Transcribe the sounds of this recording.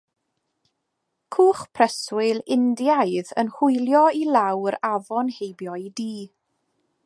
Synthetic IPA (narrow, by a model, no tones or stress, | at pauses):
kʰuːχpʰrɛswɪlɪndjaɨðə̰nhʊjlˠjɔilˠawɾavɔnhejbjɔdiː